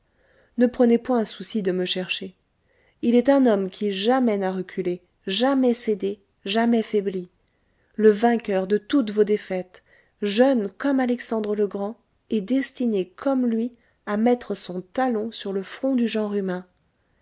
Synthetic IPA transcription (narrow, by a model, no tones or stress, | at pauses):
nəpχənepwɛ̃ɛ̃susid̪əməʃɛʁʃe | ilɛt̪ɛ̃nɔmkʲiʒamɛnaʁəkʲʰyle | ʒamɛsed̪e | ʒamɛafɛbli | ləvɛ̃kʲœʁd̪ət̪ut̪vod̪efɛt̪ | ʒœnkɔmalɛksɑ̃d̪ʁələɡʁɑ̃ | ɛd̪ɛst̪inekʰɔmlɥi | amɛt̪χəsɔ̃t̪alɔ̃syʁləfχɔ̃d̪yʒɑ̃ʁymɛ̃